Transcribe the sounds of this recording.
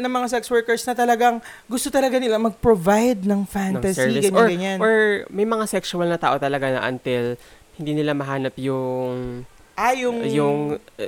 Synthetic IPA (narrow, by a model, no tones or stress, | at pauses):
nɐŋmɐŋasɛkswɛɹkɛɹsnɐt̪ɐlɐɡaŋ | ɡʊst̪ot̪ɐlɐɡanɪlamɐɡ̚pɾovajd̪̚nɐŋfant̪ɐsɛiɪɡɐɲɡɐɲanoɹmɐjmɐŋasɛksʊɐlnɐt̪a̰ːʔo̞t̪ɐlɐɡanɐ̰ʔɐ̰nt̪ɪl | hɪnd̪iːnɪlamɐɦaːnɐpjʊŋ | ʔajʊŋjʊŋ